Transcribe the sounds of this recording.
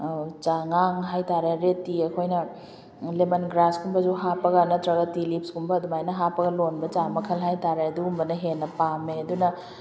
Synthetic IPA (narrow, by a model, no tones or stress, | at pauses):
t͡ʃaŋaŋɦajtaɾeɾetːiekʰojnɐ | lemɐnɡɾaskʰumbɐzuɦapɐɡanɐtɾɐɡɐtilip̚skʰumbɐːdumajnɐɦapɐɡɐlonbɐt͡ʃamɐkʰɐlɦajtaɾeɐduːmbɐnɐɦenːɐpameɐdunɐ